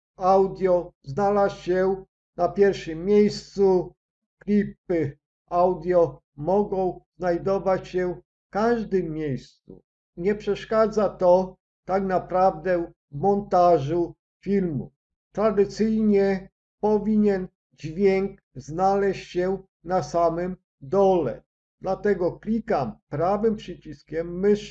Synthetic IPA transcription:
awd̪ʲjɔznalasɕɛ | napʲjɛɾfʂɘmːʲjejst̪su | klʲip̚ɘ | awd̪ʲjɔ | mɔɡɔ̃w̃znajd̪ɔvat͡ɕɕɛfkaʐd̪ɘmːjejst̪sṵ | ɲɛpʂɛʂkad̪zat̪ɔ | t̪aknapɾavd̪ɛw | mɔnt̪aʐu | fʲilmṵ | t̪ɾad̪ɪt̪sɘjɲɛ | pɔvʲiɲɛn | d͡ʑvʲjɛŋk | znalɛɕt͡ɕɕɛ | nasamɘm | d̪ɔlɛ̰ | d̪̥lat̪ɛɡɔklʲikampɾavɘmpʂɘt͡ɕiskʲɛmːɘʂ

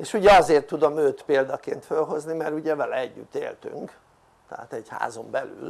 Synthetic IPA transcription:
eːʃuɟɛɒzeːrt̪ːud̪o̞møːt̪peːld̪ɒkḛːnt̪følɦo̞znimɛɾuɟɛvɛlɛɛɟːy̰t̪ːḛːlt̪y̰ŋk | t̪ɛa̰ːt̪ɛɟha̰ːzo̞mbɛly̰l

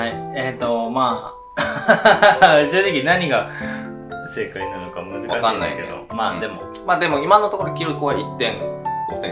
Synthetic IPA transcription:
haiet̪o̞maː | ɕo̞ːʑikʲinaɲ̟iɡa | se̞ːkainano̞kamɯ̟zɨakaɕkanːaa̰ke̞̰d̪o̞̰maːd̪e̞mo̞ | maːd̪e̞mo̞imãnːot̪okoɾoekʲiɾokɯβait̪ːẽ̞ŋosẽ

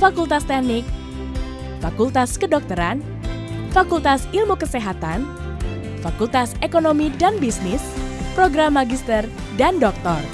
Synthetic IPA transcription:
fakult̪ast̪ɛnɪk̚ | fakult̪askədɔk̚t̪əɾan | fakult̪asilmukəseɦat̪an | fakult̪asekonomidanbisnɪspɾoɡɾamːaɡist̪ər | dandɔk̚t̪ɔr

